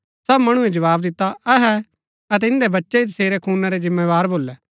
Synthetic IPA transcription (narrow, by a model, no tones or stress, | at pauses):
sɐbmɐɽ̃ued͡ʒɐʋaːbd̪ɪt̪ːaɐɦɛ | ɐt̪̬ɛɪ̃nd̪ɛbɐtːʃeit̪ɐseːɾɛkʰuːnaɾezɪ̃mːeːʋaːɾboːlɛː